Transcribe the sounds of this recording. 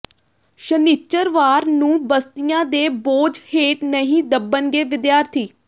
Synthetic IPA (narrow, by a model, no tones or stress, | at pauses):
ʃənit͡ʃəɾʋaːɾnũːbəst̪ijãːd̪eːboːd͡ʒheːʈnəɦĩːd̪əbənɡeːʋɪd̪jaːɾt̪ʰiː